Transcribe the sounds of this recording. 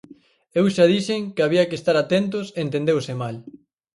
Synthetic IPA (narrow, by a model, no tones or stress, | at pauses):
ewʃaðiʃeŋkɪaβiɐkest̪aɾat̪ent̪̬ʊseent̪ẽnd̪ewsɪmal